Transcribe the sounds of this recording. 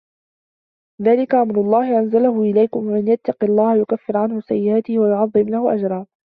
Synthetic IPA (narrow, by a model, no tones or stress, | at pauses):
ðaːlɪkaʕamɾʊlˤːɑːhɪʔanzalaɦʊʔɪlajkʊmmɪnjat̪ːɑqɪlˤːɑːhajʊkafːɪɾʕanhʊsa̰jːɪʔaːt̪ɪhɪwajʊʕɑðˤːɪmlahʊʔa̰d͡ʒɾˤɑː